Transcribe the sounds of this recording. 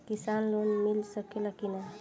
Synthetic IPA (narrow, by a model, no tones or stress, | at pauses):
kisanlonmɪlsəkelakina